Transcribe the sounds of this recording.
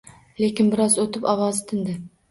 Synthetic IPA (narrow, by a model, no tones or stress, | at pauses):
lekʲɪnbɪɾɒzot̪ʰɪpɒwɒzɪt̪ʰɪnd̪ɪ